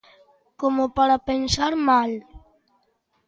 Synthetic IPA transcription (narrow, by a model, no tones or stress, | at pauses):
komopaɾapensaɾmal